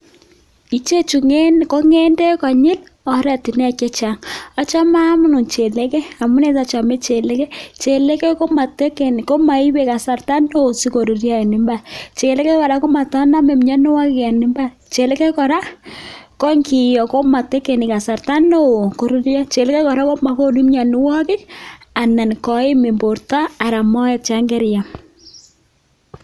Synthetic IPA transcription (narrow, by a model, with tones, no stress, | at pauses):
i˨t͡ʃe˦t͡ʃu˨ŋɛ˦kɔ˦ŋɛ˦ndɛ˦kɔ˨ɲɪ˦l | ɔ˨ɾɛ˨ti˨nɛ˦a˨kɛ˦t͡ʃa˨ŋa˦t͡ʃa˦ma˦mʊ˦nʊ˨t͡ʃe˨le˦kɛ˦a˨mʊ˦ne˦ta˨t͡ʃa˨mɛ˦t͡ʃe˨lɛ˦kɛ˦t͡ʃe˨lɛ˦kɛ˦ko˦ma˨tɛ˦kɛ˨n˨ko˦ma˨i˦we˨ka˨sa˨rta˦no˦˨si˦ko˨ɾu˨ɾja˦ɛ˨nɪ˨mba˨t͡ʃe˨lɛ˦kɛ˦kɔ˨ɾa˨˦ko˦ma˨tɔ˦na˦mɛ˨mɲa˦nɪ˦wa˦kka˨nɪ˨mba˦ | t͡ʃe˨lɛ˦kɛ˦kɔ˨ɾa˦kɔ˦ŋki˨jɔ˨ko˦ma˨te˦ke˨nɪ˨ka˨sa˨ɾta˦no˦˨ko˨ɾi˦ɾja˦t͡ʃe˨lɛ˦kɛ˦kɔ˨ɾa˦ko˦ma˨ko˦du˦mɲa˨nɪ˦wɔ˦kɪ˦ | a˨na˨nkɔ˨ɪ˦mɪ˨mbo˨ɾta˦a˨ɾa˨mɔ˦ɛ˨t͡ʃa˦ŋɡɛ˦ɾja˨